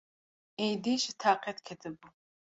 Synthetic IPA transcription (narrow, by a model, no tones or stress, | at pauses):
ɛjd̪iʃit̪ʰaːqʰɛt̪kʰɛt̪ʰɨbu